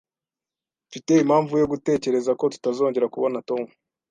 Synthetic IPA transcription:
fite̞imhaːɱvujo̞ɡute̞ːce̞ɾe̞zako̞tu̥tazo̞ːɲɟe̞ɾakuβo̞nato̞mu

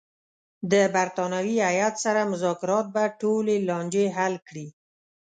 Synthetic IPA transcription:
d̪əbaɾt̪ɑnawiajat̪saɾamʊzɑkɪɾɑt̪̚baʈolelɑnd͡ʒeɦalkɽi

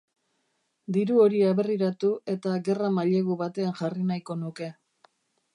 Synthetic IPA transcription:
d̪iɾuo̞ɾiaβe̞riɾat̪ue̞t̪aɣe̞ramaʎe̞ɣuβat̪e̞anʝarinajko̞nuke̞

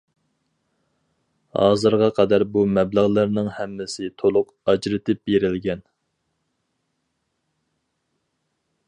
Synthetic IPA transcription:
hɑ̰ːzɨɾʁɑqʰɑd̪æɾbumɛbləʁlˠɨɾnɨŋhɛmːɪsɪt̪ʰolˠʊq | ɑd͡ʒɾɨt̪ʰɪp̚beɾɪlɡʲɛn

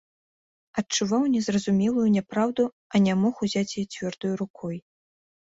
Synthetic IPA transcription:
ɐt͡ʂuvawnʲɛzrɐzumʲɛlˠujunʲapɾawd̪u | ɐnʲamɔxuzʲat͡sʲjɛt͡sʲvʲɔrd̪ujuɾukʰɔj

